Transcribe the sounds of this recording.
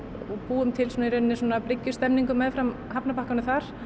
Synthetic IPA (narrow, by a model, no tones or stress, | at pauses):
ɔɣpuːʏmt̪ʰɪlsɔnɛɾʏnːɪswɔnaplɪcːʏst̪ɛmniŋkʏmːɛðfɾamhapnapahkanʏθaɾ̥